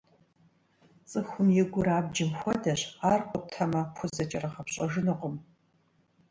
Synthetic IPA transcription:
t͡sʼɨxʷʊmjɛɡʷʊɾaːbd͡ʒɪmxʷɔdɐɕaːrqʷʼʊp̚tʰɐmɐpʷʰʊzɐt͡ʃʼɐrɐχɐpɕʼɐʒɨnɨqʷʊm

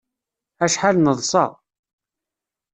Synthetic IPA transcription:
æʃħalnəðˤsˤɑ̰ˤ

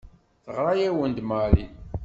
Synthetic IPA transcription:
θəʁɾˤɑjæwənd̪mali

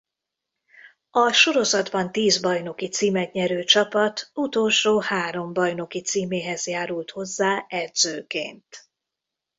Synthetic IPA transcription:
ɒʃo̞ɾo̞zɒd̪bɒnt̪iːzbɒjno̞kit̪siːmɛt̪ɲɛɾøːt͡ʃɒpɒt̪ut̪o̞lʃoːhaːɾo̞mbɒjno̞kit̪siːmeːɦɛzjaːɾult̪ho̞zːaːɛrd̪zøːkḛːnt̪

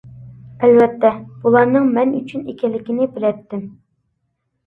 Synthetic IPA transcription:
ɛlvɛt̪ːɛb̥ulˠɑɾnɨŋmɛnyt͡ʃʰynekʲʰɛlːɪkʲinɪbɪlɛt̪ːɪm

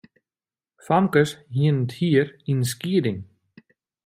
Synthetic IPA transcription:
famkəshint̪hiɾinsciːɾɪŋ

